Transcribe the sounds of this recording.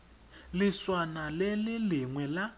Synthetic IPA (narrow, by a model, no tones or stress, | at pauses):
lɪswanalelɪliŋwɛla